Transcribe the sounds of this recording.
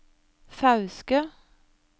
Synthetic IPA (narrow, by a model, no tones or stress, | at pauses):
fɑʉskə